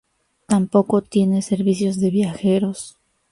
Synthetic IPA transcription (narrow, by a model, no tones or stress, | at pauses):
t̪ampo̞ko̞t̪je̞ne̞se̞ɾβisjo̞zðe̞βjaxe̞ɾo̞s